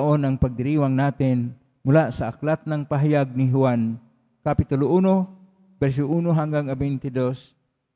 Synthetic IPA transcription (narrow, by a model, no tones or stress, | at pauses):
ʔonʔaŋpaɡ̚d̪ɪɾiːwaŋnaːt̪ɪn | mʊlaʔsaʔaklat̪̚naŋpaɦajaɡ̚niɦʊan | kapit̪ʊloʔuːno | bɛɾs̬ʊʔuːnoɦaŋɡaŋabɛjnt̪ɪd̪os